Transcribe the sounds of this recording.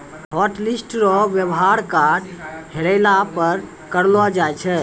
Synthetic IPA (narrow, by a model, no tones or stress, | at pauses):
ɦɔʈlisʈɾɔʋjəbɦaɾkaɖheɾɛɪlapəɾ | kəɾlɔd͡ʒajt͡ʃʰɛ